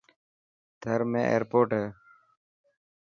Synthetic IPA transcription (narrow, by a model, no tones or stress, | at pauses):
d̪ʱəɾmḛ̃ːʔḛːɾpoːʈɦɛː